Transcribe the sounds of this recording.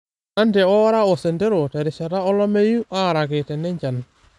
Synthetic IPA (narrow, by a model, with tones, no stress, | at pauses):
a˦ndɛ˨ɔ˦ɾa˦ɔ˨se˨nde˦ɾo˨tɛ˨ɾɪ˨ʃa˨ɾa˦ɔ˦lɔ˦me˦ju˦ʔa˦˨ɾa˨ɡɪ˨tɛ˨nɛ˦ɲd͡ʒa˨n